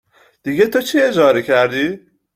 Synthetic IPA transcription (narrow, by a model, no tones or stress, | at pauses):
d̪̥iɡet̪ʰot͡ʃʰied͡ʒɒːɾecʰæɾd̪iː